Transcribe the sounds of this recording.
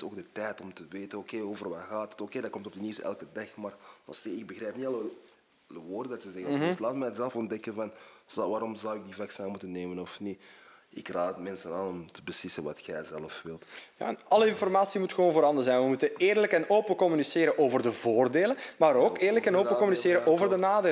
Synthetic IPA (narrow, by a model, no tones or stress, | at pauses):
ɪsoːɡ̚dətɛjtɔmtəʋeːtənokeːoːvərʋaɣaːtə̥tokeːdakɔmtɔb̚dəniwsɛ̰lˠkədɑxmaːrɔseɪɡ̚bəɣrɛjpniɑlˠə | ləʋoːrdədɑtəzɛɣənstlaːtmɛːətzɛləfɔndɛkənvɑnzʋaːɾɔmzɑwɪk̚divaksaːmutənːeːmənɔfniɪ̰kraːtmɛnsənaːnɔmtəbəslɪsənʋɑ̰txɛjzɛləfʋɪlˠtja̰ːɑlˠəɪnfɔrmaːsimutxəʋoːnvoːɾɑndəzɛjnʋəmutəneːrləkɛnoːpəkɔmyniseːɾəʔoːvərdəvoːrdeːlənmaːɾoːkeːrləkɛnoːəkɔmyniseːɾəoːvərdənaːdeː